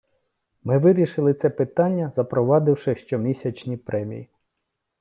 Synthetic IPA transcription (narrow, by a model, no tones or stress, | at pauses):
mɪʋɪɾʲiʃɪlˠɪt̪sɛpɪt̪ɑnʲːɐzɐpɾɔʋɑd̪ɪwʃɪʃt͡ʃɔmʲisʲɐt͡ʃnʲipɾʔɛmʲḭji